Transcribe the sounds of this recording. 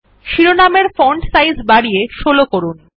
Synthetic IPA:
ʃiɾonameɾfɔɳʈsajzbaɽijeʃolokoɾun

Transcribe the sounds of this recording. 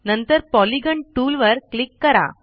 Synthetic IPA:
nɐnt̪əɾpɔliɡəɳʈuːlʋəɾklikːɐɾa̰

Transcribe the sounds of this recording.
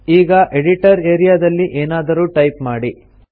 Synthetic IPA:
iːɡɐʔeɽiʈɐɾeːɾijaːd̪ɐlːiʔeːnaːd̪ɐɾuːʈɐjpmaːɽi

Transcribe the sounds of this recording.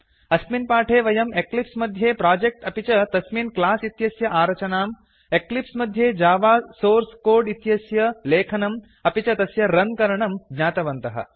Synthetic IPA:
ɐsminpaːʈʰeːʋɐjɐmeklipsmɐd̪ʱjeːpɾaːd͡ʒek̚ʈɐpit͡ʃɐt̪ɐsminklaːsit̪jɐsjɐʔaːɾɐt͡ʃɐnaːm | eklipsmɐd̪ʱjeːd͡ʒaːʋaːsoːɾskoːɾɖit̪jɐsjɐleːkʰɐnɐm | ɐpit͡ʃɐt̪ɐsjɐɾɐnkɐɾɐɳɐmɡɲaːt̪ɐʋɐnt̪ɐɦɐ̰

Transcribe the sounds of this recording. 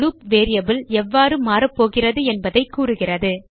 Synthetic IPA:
luːpʋeːɾɪjɐbɪlɛʋːaːɾɯmaːɾɐpːoːɣɪrɐðɯɛnbɐðɐɪkːuːrɯɣɪrɐðɯ

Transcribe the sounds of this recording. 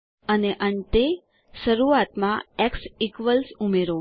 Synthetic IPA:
əneʔənt̪e | ʃəɾuat̪mãɛksikʋəlsumeɾo

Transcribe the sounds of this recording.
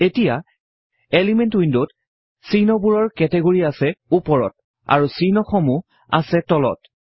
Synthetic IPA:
etija | elimɛntwindot | sinɔbuɹɔɹkɛtɛɡoɹiasɛupɔɹɔ̰t̚ | a̰ɹusinɔxɔmu | a̰sɛtɔlɔ̰t

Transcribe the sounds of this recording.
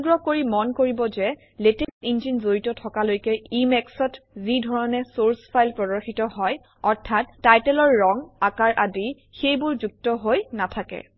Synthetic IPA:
ɡɹɔkoɹimɔnkoɹibɔzɛ | letesind͡ʒinzoɹitɔtʰɔkalojkɛimɛksɔtzidʱɔɹɔnɛsoɹspʰajlpɹɔdɔxitɔɦɔj | ɔɹtʰatːajtɛlɔɹːɔŋakaɹʔadi | xejbʊɹzuk̚tɔɦojnatʰakɛ̰

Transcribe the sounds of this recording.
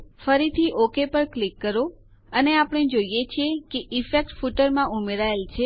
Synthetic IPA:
fəɾit̪ʰiʔokepəɾklikːəɾo | əneapəɽ̃ed͡ʒoijet͡ʃʰiekeʔifek̚ʈfuʈəɾmãʔumeɾaelt͡ʃʰe

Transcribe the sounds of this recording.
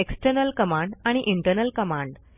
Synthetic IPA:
eksʈəɾnəlkəmãɳɖaɽ̃iʔiɳʈəɾnəlkəmãɳɖ

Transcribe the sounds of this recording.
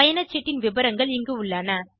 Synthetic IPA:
ɐjɐnɐt͡ʃːɛʈːɪnʋɪbɐɾɐŋɡɐɭɪŋɡɯʊɭːɐnɐ

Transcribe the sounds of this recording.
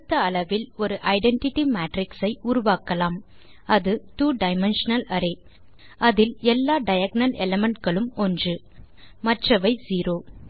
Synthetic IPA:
t̪ːɐːlɐʋɪlɔɾɯʔɐɪɖɛɳʈɪʈːimaːʈɾɪksɐɪʔʊɾʊʋaːkɐlaːm | ɐðɯʈuːɖɐɪmɛnʂɐnɐlɐɾe | ʔɐðɪlɛlːaːɖɐjɐɡ̚nɐlɛlɛmɛɳʈɡɐɭɯmɔndrɯ | mɐʈrɐʋɐɪziːɾoː

